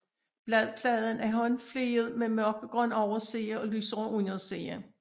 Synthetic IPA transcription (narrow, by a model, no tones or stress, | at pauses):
b̥lɛð̰ˠpʰlɛð̞ˠən̩æɐɦɒ̽nfle̝ːð̞̩ˠmemɶɐɡ̥əɡ̥ʁœn̰ɒʊɐseːɐɒ̽lysʔunjonsḛːɐ